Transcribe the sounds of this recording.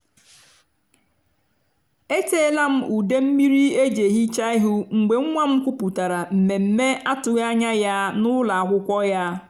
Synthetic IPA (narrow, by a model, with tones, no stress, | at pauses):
e˦teː˦la˦m̩˦ʔu˨de˦m̩˦mi˦ɾi˦e˦d͡ʒe˨ɦi˦t͡ʃa˦i˦ɦʊ˦ŋ͡m̩˨ɡ͡be˨ŋ̩˦ŋʷa˦m̩˦kʷu˦pu˨ta˨ɾa˨m̩˨me˨m̩˨me˦a˦tʊ˨ɣa˦ɲa˦ja˦nʊ˦la˨a˨ɦʷʊ˦kʷɔ˦ja˦